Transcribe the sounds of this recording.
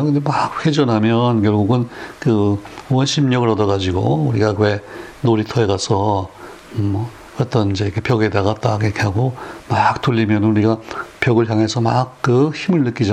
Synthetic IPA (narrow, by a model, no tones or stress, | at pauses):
kɯnd̪emakhed͡ʑʌnɦamjʌnkjʌɭɡuɡɯnkɯwʌnɕʰimɲʌɡɯɭʌdʌɡad͡ʑiɡouɾiɡakwe̞noɾitʰʌeɡasʰʌ | m | ʌt͈ʌnid͡ʑe̞jkʰepjʌɡe̞daɡat͈akekʰaɡomak̚t͈ʰuʎːimjʌnɯnuɾiɡapjʌɡɯɭɦjaŋɦe̞sʰʌmak̚k͈ɯçimɯɭnɯk͈id͡ʑa